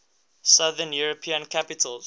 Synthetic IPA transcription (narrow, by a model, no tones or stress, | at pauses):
saðənjuɹopʰĩə̃nkʰapitʰəl